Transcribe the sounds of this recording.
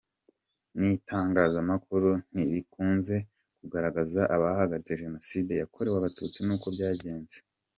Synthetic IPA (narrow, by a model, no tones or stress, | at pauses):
nitʰaːŋɡaːzamakuɾun̥iɾikuːnze̞ | kuɡaɾaɡazaʔaβahaɡaɾit͡se̞ʒe̞no̞side̞jakʰo̞ɾewaβatuːt͡sinuːkobɟaːɟe̞ːnze